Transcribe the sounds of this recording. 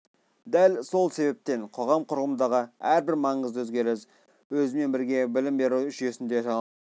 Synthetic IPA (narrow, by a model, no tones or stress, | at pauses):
d̪ælso̞lˠse̞be̞p̚t̪e̞ɴqʰo̞ʁɑmqʰʊɾʁəmənd̪ɑʁəæɾbɪɾmɑɴəzəwɵzɡʲe̞ɾɪs | wɵzɪme̞nbɪɾɡʲe̞bɪlɪmbe̞ɾuwʏʃe̞sɪnd̪e̞ʒɑ